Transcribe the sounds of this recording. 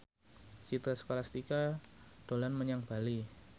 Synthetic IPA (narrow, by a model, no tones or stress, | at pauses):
sit̪ɾasə̥kolasə̥t̪ikad̥o̤lanməɲaŋb̥a̤li